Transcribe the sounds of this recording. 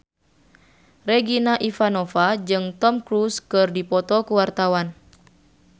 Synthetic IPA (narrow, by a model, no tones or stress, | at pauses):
reɡinaʔifanɔfad͡ʒɨŋt̪ɔmkɾuskɨrdipɔt̪ɔkuwart̪awan